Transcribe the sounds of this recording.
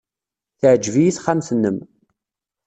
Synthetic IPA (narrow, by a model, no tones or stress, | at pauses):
θəʕd͡ʒvijiθχamsnːəm